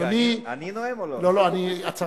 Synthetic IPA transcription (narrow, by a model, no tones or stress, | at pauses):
anininoeloloaniat͡sa